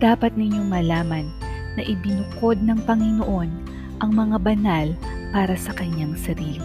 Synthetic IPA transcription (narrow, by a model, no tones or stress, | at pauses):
d̪̥aːpɐt̪̚nɪɲoŋmɐlaːmɐnː | ɐʔɪbɪnʊko̞d̪̚nɐŋpɐŋɪnoʔo̞n | ʔɐŋmɐŋabɐnal | paːɾɐsɐkɐɲːaŋsɐɾiːli